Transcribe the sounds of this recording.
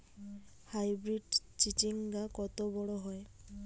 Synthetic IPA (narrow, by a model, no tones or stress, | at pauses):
hajbɹiɖt͡ʃitiŋɡakɔt̪ɔbɔɽɔɦɔj